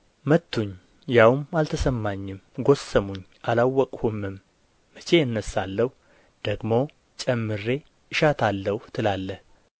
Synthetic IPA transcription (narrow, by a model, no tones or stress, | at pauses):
mət̪ːuɲ | jawmalt̪ʰəsəmːaɲːɪmɡo̞səmuɲː | ʔalawːɔkʼhumːɨmː | ət͡ʃʰe̞ɨnːəsːalːəh | d̪̥əɡmo̞ | t͡ʃʼɛmːɨɾe̞ | ʔɨʃat̪ʰalːəhut̪ʰɨlalːəh